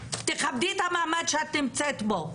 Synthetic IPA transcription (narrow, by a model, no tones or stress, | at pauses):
t̪eχab̚d̪it̪hamaːmad̪ʃeat̪ːimt͡set̪bo